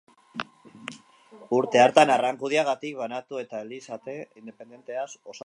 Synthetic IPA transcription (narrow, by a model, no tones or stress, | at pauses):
uɾt̪e̞aɾt̪anaraŋkuð̞iaɣ̞at̪ik̚βanat̪ue̞t̪aelisat̪e̞ind̪e̞pe̞nd̪e̞nt̪e̞aso̞s